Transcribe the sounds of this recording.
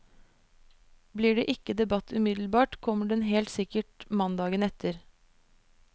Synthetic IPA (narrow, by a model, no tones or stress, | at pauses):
bliːɖeːʔɪkːəd̪ɛbɑt̪ʰːʉmɪd̪l̩bɑːʈkʰɔmːəɖɛnɦeːlt̪sɪkəʈmɑnd̪ɑːɡənɛt̪ʰəɾ